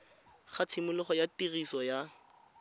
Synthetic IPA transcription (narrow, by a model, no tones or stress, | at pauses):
χat͡sʰimʊlʊχɔjatirisɔja